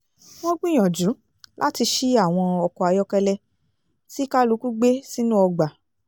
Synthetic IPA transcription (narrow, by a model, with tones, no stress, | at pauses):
w̃ɔ̃˦ɡ͡bĩ˦j̃ɔ̃˨d͡ʒu˨˦ | lʔa˦ti˧ʃi˦a˦˨w̃ɔ̃˧ɔ˨kɔ˨a˧jɔ˧˦kɛ˧lɛ˧ | si˦ka˦lu˨˦ku˦ɡ͡be˦si˦nũ˦ɔ˧ɡ͡ba˨